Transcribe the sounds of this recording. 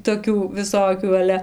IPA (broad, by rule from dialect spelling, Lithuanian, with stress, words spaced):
toːˈkʲuː ʋʲɪˈsoːkʲuː ɐˈlʲɛ